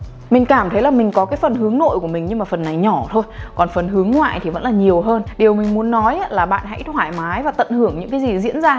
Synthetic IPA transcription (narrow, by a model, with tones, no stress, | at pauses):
mï˨˩ŋ̟kaː˧˩mt̪ʰə˨˦jlaː˨˩mï˨˩ŋ̟kɔ˨˦kaː˨˦jfə˨˩nɦɨ˨˦əŋno̰˧˨jku˧˩əmi̟˨˩ɲɨ˧maː˨˩fə˨˩nːa˨˩jɲɔ˧˩t̪ʰo˧jkɔ˨˩nfə˨˩nɦɨ˨˦əŋŋwa̰ː˧˨jt̪ʰi˨˩və̰˧˥nlaː˨˩ɲi˨˩əwɦəː˧nɗi˨˩əwmï˨˩ŋ̟mu˨˦ənːɔ˨˦jlaː˨˩ɓa̰ː˧˨nha̰˧˦ʔi˥t̪ʰwaː˧˩jmaː˨˦jvaː˨˩t̪ə̰˧˨nhɨ˧˩əŋɲɨ̰˧˥ŋkaː˨˦jzi˨˩zḭ˧˥ənzaː˧